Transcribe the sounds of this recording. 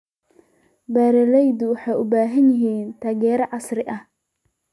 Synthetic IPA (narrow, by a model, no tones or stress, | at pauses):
baːɾɛlɛjd̪ʊwɑħɑjʊbaːɦɐnjɪɦiːnt̪ʰaːɣɛːɾɐʕɑsrɪʔɐh